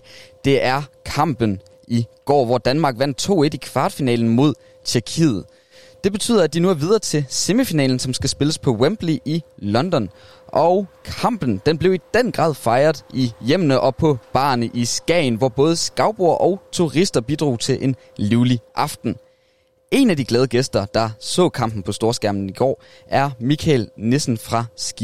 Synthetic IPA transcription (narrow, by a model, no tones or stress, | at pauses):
d̥e̝ʔæɐkʰɑ̈m̰b̥ən̩ | ʔiɡ̥ɒ̰ːʋɒd̥ænmɑ̈ːɡ̥ʋæn̰d̥̚t͡sʰo̝̰ːe̝d̥ikʰʋɑ̈ːd̥finɛ̰ːln̩mo̝ð̞̰ˠ | t͡sʰyɐkʰḭːð̩ˠ | d̥e̝b̥e̝t͡sʰy̰ːðˠɐæd̥inuæɐʋið̞ˠɐt͡sʰe̝se̝mifinɛ̰ːln̩sɒ̽msɡ̥æsb̥e̝ləspʰɒ̽wemb̥liʔilɒ̽nd̥ɒ̽n | ʔɒʊkʰɑ̈m̰b̥n̩d̥enb̥le̝ʊid̥en̰ɡ̥ʁɑ̰̈ːð̰ˠfɑ̈ɪɐð̞ˠijem̰nəʔɒ̽pʰɒ̽b̥ɑ̰̈ːnəʔisɡ̥ɛ̰ɪnʋɒb̥ɔ̽ːð̞ˠəsɡ̥ɑ̈ʊb̥o̝ɐ̰ʔɒ̽ʊt͡sʰuʁisd̥ɐb̥id̥ʁo̝̰ːt͡sʰe̝lʔe̝n | liʊliʔɑ̈fd̥n̩ | e̝næd̥iɡ̥lɛːð̞ˠəɡ̥esd̥ɐd̥ɑ̈sɔ̰̽ːkʰɑ̈m̰b̥n̩pʰɒ̽sd̥o̝ːɐsɡ̥æɐmn̩iɡ̥ɒ̰ː | ʔæɐmikʰælne̝sn̩fʁɑ̈sɡ̥i